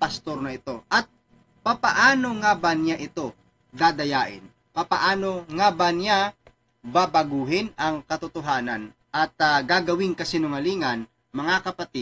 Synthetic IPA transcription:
pɐst̪oɾnɐɪt̪o̞ʔɐt̪̚ | papɐʔaːnoŋaːbanjaʔɪt̪o̞ | d̪aːd̪ɐjaːʔɪ̰n | papaʔaːnoŋaːbanja | babɐɡuːɦɪnɐŋkɐt̪ʊt̪ʊɦaːnɐn | ʔɐt̪ɡaːɡɐwɪŋkɐsɪnʊŋɐliːŋɐn | mɐŋakɐpɐt̪i

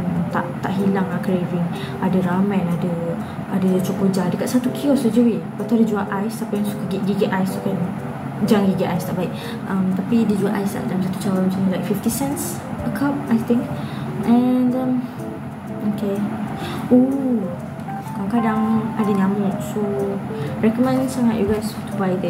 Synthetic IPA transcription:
mt̪a̰ʔt̪aʔɦilaŋakɾeviŋ | adəɾamãnadə | adət͡ʃopod͡ʒadəkaʔ̪sat̪ukʰiɔsəd͡ʒəwipat̪uadəd͡ʒuaʔajst̪apajaŋsukəɡiʔɡiɡɛʔajsuʔkan | d͡ʒaŋɡiɡɛʔajst̪a̰ʔbaik | ʔamt̪apidid͡ʒuaʔajst̪a̰ʔdalamsat̪u̥t͡ʃawamsaməlajk̚fift̪isɛns | əkʰap̚ajt̪ɪŋkʔɛ̃ndəm | oke | o | kalokadaŋadəɲãmɔʔso | ɹɛkɔmɛ̃nsaŋaʔjuɡast̪ubajdɛ

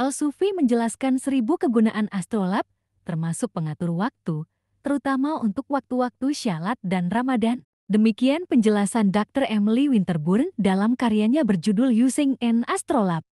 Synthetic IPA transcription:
ʔalsufiməɲd͡ʒəlaskansəɾibukəɡunaʔanast̪ɾolap̚ | t̪ərmasʊk̚pəŋat̪urwak̚t̪u | t̪əɾut̪amaunt̪ʊk̚wak̚t̪uwak̚t̪uʃialat̪̚danramadan | dəmikianpəɲd͡ʒəlasandak̚t̪ərɛmliwint̪ərbʊrndalamkaɾiaɲabərd͡ʒudʊljusɪŋɛnast̪ɾolap̚

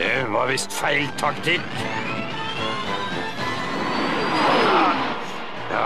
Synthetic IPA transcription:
ɛʋɑʋɪst̪fæɪlt̪ʰɑkt̪ʰɪk | jɑ

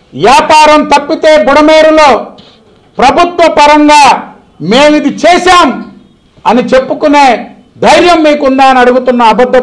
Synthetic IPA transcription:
ʋjaːpaːɾɐmt̪ɐpːit̪e̞ːbuɽɐmeːɾuloː | pɾɐbʱut̪ʋɐpɐɾɐŋɡaː | meːmid̪it͡ʃɛːʃaːm | ɐnit͡ʃepːukuneː | d̪ʱɐjɾjɐmːiːkuɳɖaːɐniɐɽuɡut̪unːɐːbɐd̪ʱːɐ

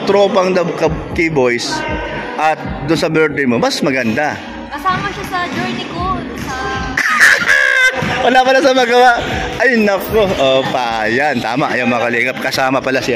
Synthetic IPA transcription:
t̪ɾoːpɐŋd̪ɐkɐkibo̞jsʔɐt̪̚d̪ʊnsɐbɛɹt̪ɾɪmomɐsmɐɡɐnd̪a | kɐsaːmɐʃasɐd͡ʒojnɪko | wɐlapɐlasɐmɐɡɐwaʔʔɐjnɐkoʔopajant̪a̰ːmɐʔɐjaŋmɐkɐlɛːɡɐp̚kɐsaːmɐpɐlasɪ

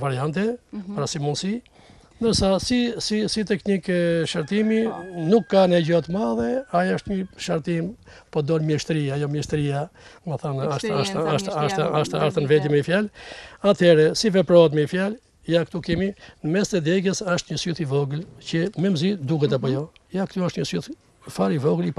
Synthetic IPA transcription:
vaɾiant̪̬ɛpaɾasimunsi | nd̪əɾsasisisit̪ɛknikʃaɾt̪iminukːanɛɟɔt̪əmaðɛajaʃt̪ɲəʃaɾt̪impɔd̪ɔnmjɛʃt̪ɾiajɔmjɛʃt̪ɾiaməθanaʃt̪aʃaʃaʃt̪aaʃt̪aaɾθanvɛd̪imɛfjalat̪ʰɛɾɛsivɛpɾɔt̪̬mɛfjal | jakt̪ukɛminəmɛst̪ɛd̪ɛɡəsaʃt̪ɲəsyθivɔɡlcəmɛmzid̪uɦɛt̪̬apɔjɔjakt̪uaʃt̪ɲəsyθ | faɾivɔɡəlip

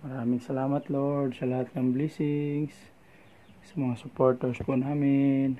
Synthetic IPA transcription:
mɐɾaːmɪŋsɐlaːmɐt̪loɹd̪sɐlɐhat̪̚nɐŋblisɪŋs | sɐmɐŋasʊpoɹt̪ɛɹspʊnaːmɪn

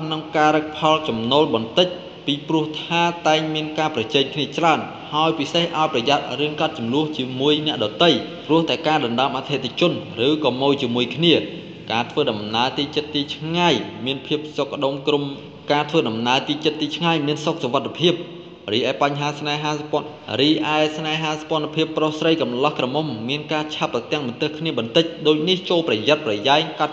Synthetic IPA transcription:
nɨŋkaːɾək̚pʰɑlt͡ɕɑmnoːlɓɑnt̪ɨc̚ | piːprʊ̆əht̪ʰaːt̪aɛŋmiənkaːprɑt͡ɕɛːŋkʰniət͡ɕraən | haɔjpisehʔaɔjprɑjat̪̚rɨənkɑt̪̚t͡ɕumlʊ̆əht͡ɕiəmuəjnɛ̆əʔɗɑːt̪ɨj | prʊ̆əht̪aɛkaːɗɑnɗaəmʔat̪ʰet̪ʰat͡ɕʊ̆ənrɨːkɑːmoːjt͡ɕiəmuəjkʰniə | kaːt̪ʰʋəːɗɑmnaət̪iːt͡ɕət̪̚ːiːt͡ɕʰŋajmiənpʰiəp̚sok̚ːə̆ɗomkrum | kaːt̪ʰʋəːɗɑmnaəlt̪iːt͡ɕət̪ːiːt͡ɕʰŋajmiənsok̚soʋat̪ʰːapʰiəp̚ | riːʔaɛpaɲɦaːsnaɛɦaːp | riːʔaɛsnaɛɦaːsḁpŏənapʰiəpːrohsrəjkɑmlɑhkrɑmomːiənkaːt͡ɕʰap̚ːrɑt̪ɛ̆əŋɓɑnt̪ɨhkʰniəɓɑnt̪ɨc̚ɗoːc̚niht͡ɕoːlprɑjat̪̚prɑjajkat̪̚

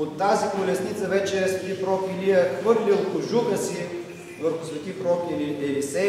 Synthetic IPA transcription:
ot̪ːazikolʲɛsnit̪səvɛt͡ʃɛsvɛt̪ipɾɔkʲiliəxvɤɾlilˠkʊʒuɡəsi | vəɾxʊ̥svɛt̪ipɾɔkiliɛlisɛ

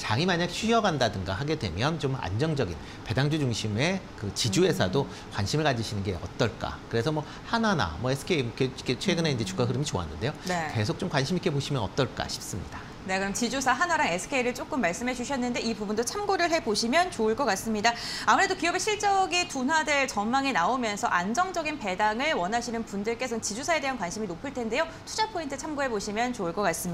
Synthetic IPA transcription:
t͡ɕaŋimaɲakɕʰɥiʌɡandadɯŋɡa̰haɡe̞dwe̞̰mjʌnt͡ɕoma̰nd͡ʑʌŋd͡ʑʌɡin | pe̞daŋd͡ʑud͡ʑuŋɕʰime̞kɯt͡ɕid͡ʑue̞sʰado | kwa̰nɕʰimɯɭkad͡ʑiɕʰinɯnɡe̞ʌ̰t͈ʌɭk͈a̰kɯɾe̞sʰʌmʌ | hanana̰mʌesʰɯ̥kʰeikeket͡ɕʰweɡɯneind͡ʑe̞t͡ɕukaɦɯɾɯmit͡ɕoa̰nːɯnde̞joneke̞s̬ʰok̚t͡ɕ͈omkwanɕʰimik͈e̞boɕʰimjʌnʌ̰t͈ʌɭk͈a̰ɕʰi̥p̚s͈ɯmɲid̥a | ne̞kɯɾʌmt͡ɕid͡ʑusʰaɦanɦaɾaŋe̞sʰɯ̥kʰeiɾɯɭt͡ɕ͈ok͈ɯmːaɭs͈ɯmɦe̞d͡ʑuɕʰʌnːɯnde̞ʔibubundot͡ɕʰamɡoɾɯɭɦe̞boɕʰimjʌnt͡ɕoɯɭk͈ʌk͈as͈ɯmɲidaamɯɾe̞dokiʌbe̞ɕʰiɭt͡ɕ͈ʌɡitonɦwadwe̞ɭt͡ɕʌnmaŋenaomjʌnsʰʌʔand͡ʑʌŋd͡ʑʌɡinpe̞daŋɯɭwʌnɦaɕʰinɯnpundɯɭk͈e̞sʰʌnt͡ɕid͡ʑusʰae̞de̞ɦankwanɕʰiminopʰɯɭtʰe̞nde̞jo | tʰud͡ʑapʰointʰɯt͡ɕʰamɡoɦe̞boɕʰimjʌnt͡ɕouɭk͈ʌk͈as͈ɯmi

